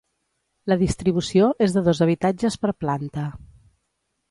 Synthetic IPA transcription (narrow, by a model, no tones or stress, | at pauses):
ləðist̪ɾiβ̞usioʔezðəðozəβ̞it̪ad͡ʒəspəɾplant̪ə